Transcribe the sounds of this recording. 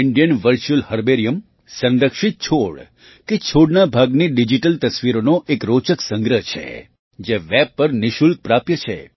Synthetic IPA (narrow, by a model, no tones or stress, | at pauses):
ɪɳɖijənʋəɾt͡ʃulhəɾbeɾijəm | sə̃nd̪əkʂit̪̚t͡ʃʰoɭ | ket͡ʃʰoɽnabʱaɡniɖid͡ʒiʈəlt̪əsʋiɾonoʔekɾot͡ʃəksə̃ŋɡɾəɦt͡ʃʰḛ | d͡ʒeʋɛb̚pəɾniʃul̚pɾapjət͡ʃʰḛ